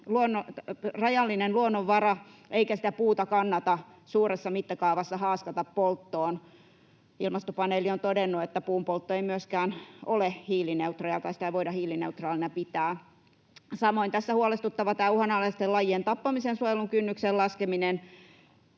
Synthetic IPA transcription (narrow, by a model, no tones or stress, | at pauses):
luonːorɑjɑlːinenluonːoʋːɑrɑʔeikæsi̥t̪æpuːt̪ɑkɑnːɑt̪ɑ | suːresːɑmit̪ːɑkɑuʋɑsːɑhɑːskɑt̪ɑppolt̪ːoːn | ilmɑst̪opɑneːliont̪odenːuet̪ːæpuːmpolt̪ːoeimyøskæːnolehiːlineut̪rojɑt̪ɑisi̥t̪æiʋoidɑhiːlineut̪rɑːlinɑpit̪æː | sɑmoint̪æsːæhuolest̪ut̪ːɑʋɑt̪æːuhɑnɑlːɑist̪elɑjient̪ɑpːɑmisensuojeluŋkynːyksellɑskeminen